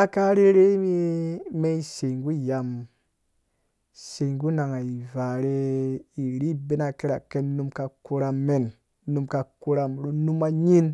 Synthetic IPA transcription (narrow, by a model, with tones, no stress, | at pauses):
a˦ka˦ɾe˦ɾe˦mi˦me˦i˦se˨ŋɡu˦ja˨m | se˨ŋɡu˦na˨ŋa˨i˨va˨ɾe˧i˨ɾi˦be˦na˨ke˦ɾa˨ke˦nnu˦mka˧ku˦ɾa˧mːe˨nː | u˧˦mka˧ku˦ɾa˧mɾu˦nu˦ma˦ɲi˦n